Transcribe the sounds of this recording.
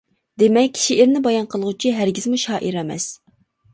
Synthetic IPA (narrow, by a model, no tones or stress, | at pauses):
d̪emɛkʲːʰʃiʔɪɾnɪbɑjɑnqʰəlˠəʁut͡ʃʰiɦæɾɡʲizmuʃɑːʔiɾɛmɛ̰s